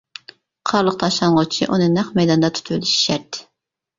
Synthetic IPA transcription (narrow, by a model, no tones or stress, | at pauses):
qʰɑɾlˠəq̚t̪ʰɑʃlˠɑnʁʊt͡ʃʰiʔunɨnɛχmɛjd̪ɑnd̪ɑt̪ʰy̥t̪ʰyliʃi̥ʃɛɾt̪ʰːɪ̥